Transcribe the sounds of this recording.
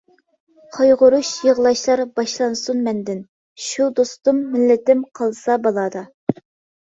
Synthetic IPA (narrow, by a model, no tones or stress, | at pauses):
qʰɑjʁʊɾuʃjəʁlˠɑʃlˠɑɾbɑʃlˠɑnsunmɛnd̪ɪn | ʃud̪ost̪umːɪlːɪt̪ɪmqʰɑlˠsɑbɑlˠɑd̪ɑ